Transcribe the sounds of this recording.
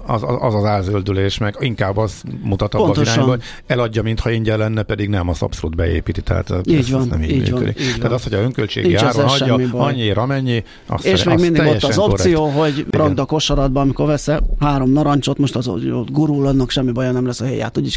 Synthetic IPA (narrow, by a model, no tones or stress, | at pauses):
ɒzɒzɒzaːlzøld̪yleːʃmɛɡiŋkaːbːɒsmut̪ɒt̪ɒobnːɒzoɾʃaːnbɔo | ɛlɒɟːɒmint̪hɒiɲɟɛlɛnːɛpɛd̪iɡnɛmɒsɒ̰psolud̪bɛḛːpit̪it̪ɛ̰ɦa̰ːt̪iːɟʋɒnnɛ̰mḭiːmy̰ɔnːkø̰ḭkːɟ̪ɛaːt̪ɒst̪hoɟɒzøŋkølt͡ʃḛɡniiaaːɾɾɛɟɛːɒibɒɲːieːɾɒmɛɲːi | ɒ̰seːʃmeːɡind̪iɡoɛʃːɒzosijoːɦoɟrɒɡd̪ɒko̞ʃɒlɒd̪̚bɒɒmiko̞rvɛsɛhaːɾo̞mnɒɾɒɲt͡ʃo̞t̪mo̞ʃt̪ɒzo̰o̰t̪ɡuɾulɒd̪nːɒkʃɛmːibɒjonɛmlɛsɒɦɛja̰ːt̪ːuɟi